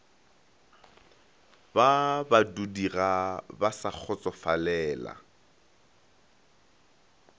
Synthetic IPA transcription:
babadudirabasak͡xʰɔt͡sʼɔfalɛːla̰

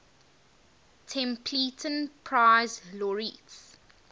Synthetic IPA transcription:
tʰɛ̃mpʰliːtʰə̃npʰɹaɪzlɔɹits

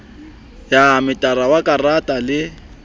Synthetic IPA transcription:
jamɪtʼaɾawakʼaratʼalɪ

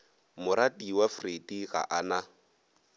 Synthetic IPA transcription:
mʊɾatiwafrediɣa̰ʔana

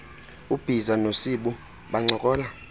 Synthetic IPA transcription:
ub̥ʱizanosiɓu | ɓaŋ͡ǀɔkʼɔːla

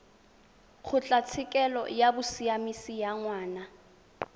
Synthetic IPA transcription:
k͡xʰʊt͡ɬʼat͡sʰɪkʼɛlɔ̰jabʊsiamisijaŋwaːna

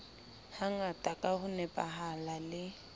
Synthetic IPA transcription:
haŋatʼakʼahʊnɛpʼaɦalalɪ

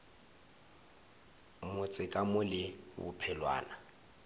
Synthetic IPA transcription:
mʊt͡sʼɪkʼamʊlɪbʊ̰pʰɛlwa̰ːna

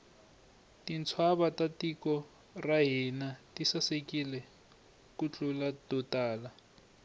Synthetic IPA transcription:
tint͡sʰwaβatatikɔ | raɦinatisasekilɛ | kut͡ɬʼulatutaːla

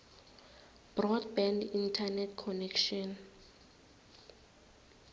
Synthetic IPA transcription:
b̥rɔdbɛndintʰanɛtʰkʰɔnɛkʃɔn

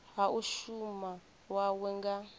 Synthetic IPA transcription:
ɦaʔuʃuma | wawɛŋɡa

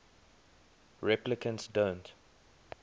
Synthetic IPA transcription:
ɹɛplɪkʰə̃ntsdõnt

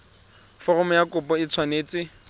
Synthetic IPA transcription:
fɔrɔmɔjakʊpɔɪt͡sʰwaneːt͡sɪ

